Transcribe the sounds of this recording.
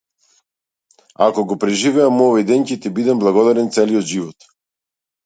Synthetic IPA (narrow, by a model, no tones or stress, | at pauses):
akɔɡɔpɾɛʒivɛamuɔvajd̪ɛncɛt̪ɛbid̪ɛmblˠaɡɔd̪aɾɛnt̪sɛliɔt̪ʒivɔt̪